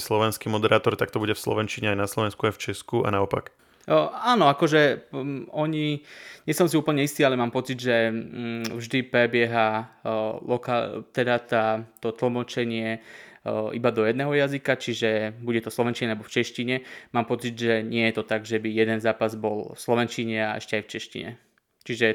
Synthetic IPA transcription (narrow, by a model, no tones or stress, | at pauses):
slɔʋɛnskimɔd̪ɛɾaːt̪ɔɾt̪ak̚t̪ɔbuɟɛfslɔ̰ʋɛnt͡ʃiɲɛajnaslɔʋɛnskuajft͡ʃɛskua̰naɔpa̰k | aːnɔakɔʒɛ | ɔɲiɲɛsɔmsiuːpl̩ɲɛist̪iːalɛmaːmpɔt͡sid̪ʒɛ | vʒd̪ipɾɛbɪɛɦa | lɔkat̪ɛd̪at̪at̪ɔt̪l̩mɔt͡ʃɛɲɪɛ | ʔḭbad̪ɔjɛd̪nɛːɦɔjazikat͡ʃiʒɛbuɟɛt̪ɔfslɔʋɛnt͡ʃiɲɛalɛbɔft͡ʃɛʃciɲɛmaːmpɔt͡siɟʒɛɲɪɛjɛt̪ɔt̪aɡʒɛbijɛd̪ɛnzaːpazbɔlfslɔʋɛnt͡ʃiɲɛaʔɛ̰ʃcɛajft͡ʃɛʃcḭɲɛ̰ | t͡ʃiʒɛ